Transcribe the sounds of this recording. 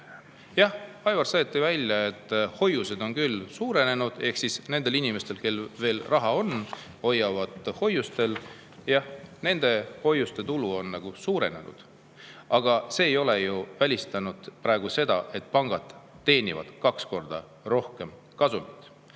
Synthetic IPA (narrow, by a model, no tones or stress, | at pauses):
jɑh | ɑjvɑrseːt̪ːivælʲjɑe̞t̪ːˑho̞juse̞d̪o̞nkylːsuːɾe̞ne̞nud̪̥e̞hksisne̞nd̪̥e̞linime̞st̪e̞lke̞lːve̞ːlrɑɦɑo̞n | o̞jːɑvɑd̪̥ho̞jːust̪e̞l | jɑhne̞nd̪̥e̞ho̞jːust̪e̞t̪uluo̞nnɑɡ̥usuːɾe̞̰ne̞̰nṵd̪̥ | ɑɡ̥ɑse̞ːjo̞le̞juvælʲist̪ɑnud̪̥pɾɑe̞ɡ̥use̞d̪̥ɑ̰ʔe̞t̪̚ːˑpɑŋɡ̥ɑd̪̥ | t̪ːe̞ːnʲivɑ̰d̪̥kɑksko̞rd̪̥ɑ | ro̞hke̞m | kɑsunit̪ːˑ